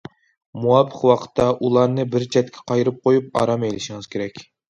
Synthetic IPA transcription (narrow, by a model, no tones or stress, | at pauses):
muwɑpːəqwɑqʰə̥t̪ʰːɑʔulˠɑɾnɨbɪɾt͡ʃʰɛt̪̚kʲʰɛ̥qʰɑjɾɨp̚qʰojup̚ɑ̰ɾɑmejlɪʃiŋɨz̥kʲʰeɾɛkʲ